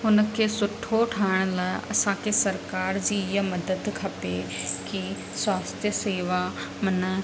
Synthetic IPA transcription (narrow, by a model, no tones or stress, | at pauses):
ɦʊnə̆kʰeːsʊʈʰoʈʰaːɪɽ̃laːɪʔɐ̰sãkʰesɐɾkaːɾd͡ʑiːɪɦəmɐd̪əd̪kʰɐpeki | swaːst̪ʰjəseːʋa | mɐnə